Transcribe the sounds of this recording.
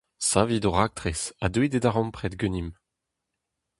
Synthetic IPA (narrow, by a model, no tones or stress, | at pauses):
sãvid̪oʁak̚t̪ʁesad̪widedaʁɔ̃mpχɛt̪ɡønim